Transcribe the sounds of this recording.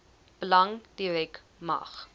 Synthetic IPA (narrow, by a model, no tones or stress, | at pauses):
b̥əlɐŋd̥iɾɛk | mɐ̰χ